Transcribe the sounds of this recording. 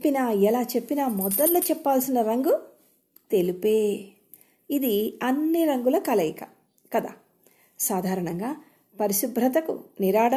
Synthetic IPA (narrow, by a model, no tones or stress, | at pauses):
pːinaːɛlaːt͡ʃepːinaːmɔd̪ɐʈloːt͡ʃɛpːaːlsinɐɾɐŋɡu | t̪e̞lipeː | id̪iɐnːiɾɐŋɡulɐkɐlɐjikɐ | kɐd̪a̰ː | saːd̪ʱaːɾɐɳɐŋɡaː | pɐɾiʃubʱɾɐt̪̬ɐkṵniɾaːɽɐ